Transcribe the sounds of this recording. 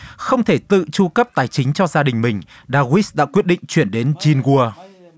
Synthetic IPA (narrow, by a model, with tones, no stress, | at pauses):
xə˧wŋ͡mt̪ʰe˧˩t̪ɨ̰˧˨t͡ɕu˧kə˦˥p̚t̪aː˨˩jt͡ɕï˨˦ŋ̟t͡ɕɔ˧zaː˧ɗï˨˩ŋ̟mï˨˩ŋ̟ | ɗaː˧ɣwi˦˥sɗa̰ː˧˥kwi˦˥ət̚ɗḭ̈˧˨ŋ̟t͡ɕwi˧˩ənɗe˨˦nt͡ɕi˧nɣu˧ə